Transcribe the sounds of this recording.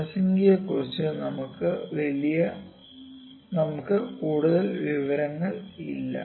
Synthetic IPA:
ɐsɐŋɡijɐkːurit͡ɕːɨnɐmukːɨʋɐlijɐ | nɐmukːɨkuːɽuðɐlʋiʋɐɾɐŋːɐɭḭlːɐ̰

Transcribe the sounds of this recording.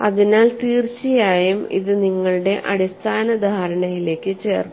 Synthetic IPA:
ɐðinaːlt̪iːrt͡ɕijaːjumḭðɨniŋːɐɭuɽe̞ʔɐɽist̪ʰaːnɐd̪ʱaːɾɐɳɐjile̞ːkʲːɨt͡ɕe̞ːru

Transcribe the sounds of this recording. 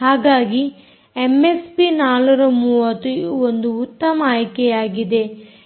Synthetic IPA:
haːɡaːɡi | emespinaːluɾɐmuːʋɐt̪ːuond̪uːt̪ːɐmɐaːjkejaːɡid̪e̞

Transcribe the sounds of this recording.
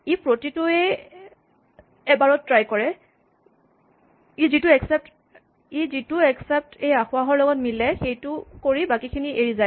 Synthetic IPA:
ipɹotitʊɛ | ɛbaɹɔtːɹajkɔɹɛ | izitʊɛksɛp̚t | izitʊɛksɛp̚tejaxʊaɦɔɹlɔɡɔtmilɛxejtʊkoɹibakikʰiniʔeɹizaj

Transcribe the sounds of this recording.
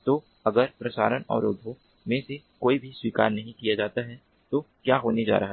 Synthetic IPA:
t̪oː | ɐɡəɾpɾɐsaːɾənɔ̰ːɾob̪ʱo | mẽsekoːibʱiswiːka̰ːɾnɐɦĩkijad͡ʒaːt̪aɦɛ | t̪oːkjaːɦoːned͡ʒa̰ːɾɐɦa

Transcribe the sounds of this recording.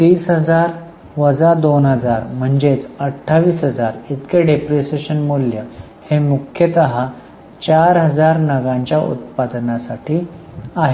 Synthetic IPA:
t̪iːsɦəd͡zaɾ | ʋəd͡zad̪onɦəd͡zaɾm̤əɳd͡ʑet͡səʈʰːaʋiːsɦəd͡zaɾit̪keɖepɾeseɕənmuljə | hemukʰjət̪əɦa | t͡ɕaɾɦəd͡zaɾnəɡãɲt͡ɕjaʔṵt̪̚pad̪nasaʈʰiː | aɦe

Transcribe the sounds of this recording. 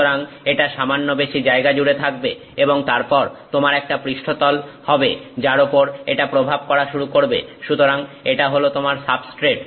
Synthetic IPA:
oɾaŋ | eʈaʃamanːobeʃid͡ʑaeɡad͡ʑuɽet̪ʰak̚be | eboŋt̪aɾpɔɾt̪omaɾɛk̚ʈapɾiʃʈʰot̪ɔlhɔbed͡ʑaɾopoɾḛʈapɾobʱab̚kɔɾaʃuɾukoɾbḛʃut̪oɾaŋeʈaɦolot̪omaɾsabsʈɾeʈ

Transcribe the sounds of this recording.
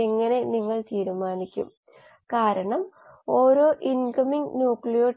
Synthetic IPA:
eŋːɐne̞niŋːɐɭt̪iːɾumaːnikʲːṵm | kaːɾɐɳɐm | o̞ːɾoːʔinkɐmiŋnjuːkɭijoː

